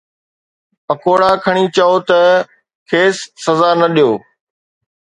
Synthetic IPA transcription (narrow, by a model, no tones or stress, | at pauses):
pɐkoːɽaːkʰəɽ̃iːt͡ɕɐoːt̪ɐ | kʰeːsːɐzaːnɐɗijoː